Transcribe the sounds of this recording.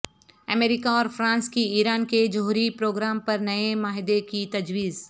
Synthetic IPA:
ɐmeːɾikaɔːɾfɾãːnskiiːɾaːnked͡ʒɐɦuːɾipɾoːɡɾaːmpɐɾnɐemaːɦɪd̪ekit̪ɐd͡ʒwiːz

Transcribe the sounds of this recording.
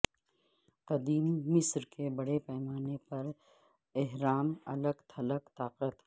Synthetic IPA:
qɐd̪iːmːɪsɾkebɐɽepɛːmaːnepɐɾ | ɪɦɾaːmɐ̰ləɡt̪ʰɐləkt̪aːqət̪

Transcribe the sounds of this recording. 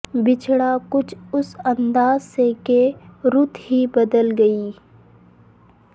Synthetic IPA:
bɪt͡ʃʰɽakʊt͡ʃʰʊsɐ̃nd̪aːzsekeɾʊt̪ʰɦibɐd̪əlɡɐiː

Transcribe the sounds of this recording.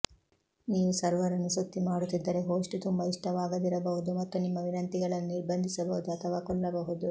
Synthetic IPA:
niːʋusɐɾʋɐɾɐnusut̪ːimaːɽut̪ːid̪ːɐɾeɦoːʂʈut̪umbɐiʂʈɐʋaːɡɐd̪iɾɐbɐɦud̪umɐt̪ːunimːɐʋinɐnt̪iɡɐɭɐnːuiɾbɐnd̪ʱisɐbɐɦud̪uɐt̪ʰɐʋaːkɔɭːɐbɐɦud̪u

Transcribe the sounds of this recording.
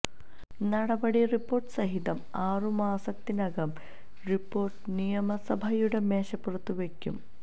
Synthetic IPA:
nɐɽɐbɐɽiripːo̞ːrʈsɐɦit̪ɐm | aːrumaːsɐt̪ːinɐɡɐm | ripːo̞ːrʈnijɐmɐsɐbʱɐjuɽemeːʂɐpːurɐt̪ːuʋekjṵm

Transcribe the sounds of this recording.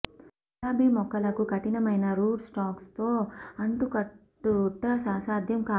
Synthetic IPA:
laːbʱimɔkːɐlɐkukɐʈinɐmɐjnɐɾuːɖsʈaːkst̪o̞ːɐɳʈukɐ | uʈːɐsaːsaːd̪ʱjɐmkaː

